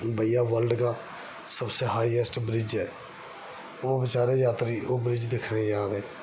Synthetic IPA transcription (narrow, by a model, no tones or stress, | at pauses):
bəijaːʋəlɖkaː | səbseːɦaːiɛsʈbɾɪd͡ʒɛː | oːbɪt͡ʃaːɾejaːt̪ɾiːʔoːbɾɪd͡ʒd̪ekʰnẽːd͡ʒaːd̪ɛː